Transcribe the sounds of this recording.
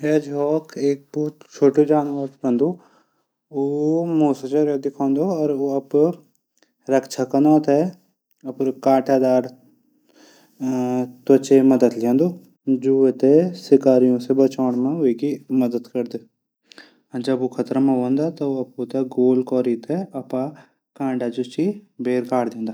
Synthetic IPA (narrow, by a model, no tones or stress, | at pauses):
eːd͡ʒɦɔːkʰeːk̚bɔɦʊt̪t͡ʃʰoːʈid͡ʒaːnʋaɾɾɐ̃nd̪o | omoːst͡ʃɐɾed̪ɪkʰãːnd̪oɔːɾoɐp | ɾɐkt͡ʃʰakɐnaːt̪ɛ | ɐpɾkaːʈʰaːd̪aːɾ | t̪ɐt͡ʃemɐd̪əd̪lẽːnd̪oː | d͡ʒuet̪esɪkaːɾijõsebɐt͡ʃaːɽ̃mẽɦʊekimɐd̪əd̪kɐɾd̪ẽ | d͡ʒɐbokʰɐt̪ɾamãɦõːnd̪at̪ɐɐpoːt̪aɡoːlkɔːɾit̪eɐpa | kãːɳɖad͡ʒʊt͡ʃibeːɾkaːɽd̪ẽːnd̪aː